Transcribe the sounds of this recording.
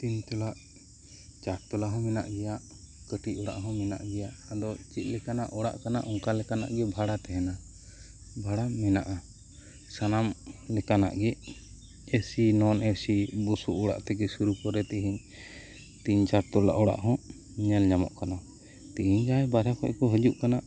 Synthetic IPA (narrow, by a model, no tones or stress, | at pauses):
t̪iɲt̪ɔlaʔ | t͡ʃaɾt̪ɔlaɦɔ̃mɛna̰ʔɡɛjaʔ | kəʈiʔɔɽa̰ʔɦɔ̃mɛna̰ʔɡɛjaʔad̪ɔt͡ʃit̪̚ˀlɛkanaʔɔɽa̰ʔkanaʔɔŋkalɛkana̰ʔɡɛbʱaɽat̪ɛɦɛna | bʱaɽamɛnaʔa | sanamlɛkana̰ʔɡɛ | esinɔnesibusuʔɔɽa̰ʔt̪ɛɡɛsuɾupɔɾɛt̪ɛɦiɲ | t̪iɲt͡ʃaɾt̪ɔla̰ʔɔɽa̰ʔɦɔ̃ | iɲald͡ʒamɔ̰ʔkana | t̪iɦiɲd͡ʒaɛbaɾɛkɔ̰ʔkɔɦəd͡ʒuʔkanaʔ